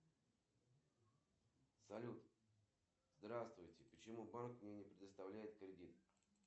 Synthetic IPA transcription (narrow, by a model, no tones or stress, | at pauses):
sɐlʲut̪ | zd̪ɾast̪vʊjtʲɪpət͡ɕɪmubankmnʲenʲɪpɾʲɪd̪əst̪ɐvlʲæjɪt̪kɾʲɪdʲit̪